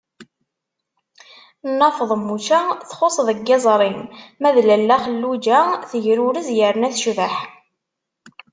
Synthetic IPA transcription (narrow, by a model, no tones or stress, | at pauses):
nːɑfðˤəmːut͡ʃæθχosˤðˤəɡːezˤɾˤinmæðlælːæχəlːud͡ʒæθəʝɾuɾəzjəɾnæθʃvəħ